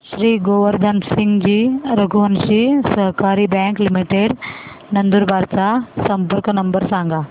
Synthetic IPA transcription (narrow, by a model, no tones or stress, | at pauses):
ʃɾiːɡoːʋɐɾd̪ʱɐnsiŋɡd͡ʒiːɾɐɡʱuʋɐnʃisɐɦkaːɾibjaːŋklimiʈeɖnɐnd̪uɾbʱaːɾt̪asɐmpɐɾkɐnɐmbɐɾsaːŋɡa